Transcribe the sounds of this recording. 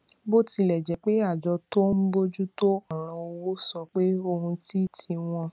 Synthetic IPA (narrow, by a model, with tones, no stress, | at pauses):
bo˦˨ti˧lɛ˨d͡ʒɛ˨k͡pe˦a˦˨d͡ʒɔ˧to˦m̩˦bo˦d͡ʒu˦to˦ɔ˦˨ɾ̃ã˧o˧wo˦sɔ˧k͡pe˦o˧hũ˧ti˦˨tʰi˧w̃ɔ̃˧